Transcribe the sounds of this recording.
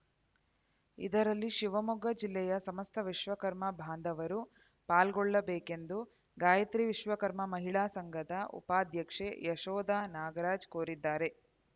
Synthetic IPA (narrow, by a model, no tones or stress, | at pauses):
ḭd̪ɐɾɐlːiʃiʋɐmuɡɐd͡ʒilːɛjɐsɐmɐst̪ʰɐʋiʃʋɐkɐɾmɐbʱaːnd̪ʱɐʋɐɾu | paːlɡɔɭːɐbeːke̞nd̪u | ɡaːjɐt̪ɾiʋiʃʋɐkɐɾmɐmɐɦiɭaːsɐŋɡʱɐd̪ɐṵpaːd̪ʱjɐkʂḛjɐʃɔːd̪aːnaːɡɐɾaːd͡ʒkoːɾid̪ːaːɾe̞